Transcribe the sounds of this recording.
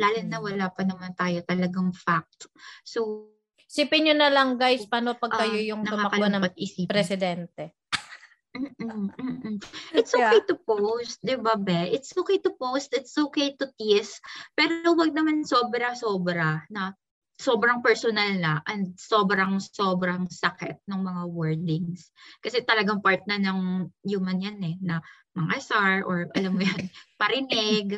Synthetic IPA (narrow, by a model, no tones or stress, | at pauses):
laːlɪnnːɐwɐlaːpɐnɐmant̪aːjot̪ɐlɐɡaŋfak̚t̪so | siːpɪɲonɐlɐŋɡajspaːnopɐɡkɐjo̞jʊŋsnɐʊamɐkɐonɐpɐt̪̚ɪsiːpɾɛsɪd̪ɛnt̪ɛ | m̩ːm̩ːʔɪt̪sʔokejt̪ʊpowst̪̚d̪ɪbabɛʔɪt̪sʔokejt̪ʊpowst̪ɪt̪sʔoːkejt̪ʊt̪ispɛːɾowɐɡ̚nɐmansoːbɾɐsoːbɾɐnɐ | soːbɾɐŋpɛɹsonalnɐʔɐnd̪̚so̞ːbɾɐŋsobɾɐŋsɐkɛt̪̚nʊŋmɐŋawɛɹd̪ɪŋs | kɐsɛt̪ɐlɐɡaŋpaɹt̪̚nɐnɐŋjuːmɐnjanɛnɐ | mɐŋɐsaɹʔoɹʔɐlamːʊjanpɐɾɪnɛɡ